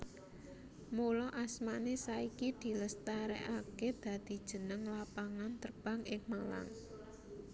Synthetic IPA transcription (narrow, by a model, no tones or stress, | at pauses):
mulɔʔasmanesaikid̪̥i̤ləst̪aɾɛ̰ʔaked̪̥a̤d̪̥i̤d̥ʒ̥ə̤nəŋlapaŋant̪ərb̥ä̤ŋɪŋmala̰ŋ